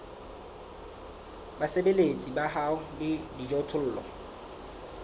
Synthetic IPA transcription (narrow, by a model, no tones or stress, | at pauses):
basebelet͡sʼibaɦaʊlɪdid͡ʒɔtʰʊl̩ːlɔ̰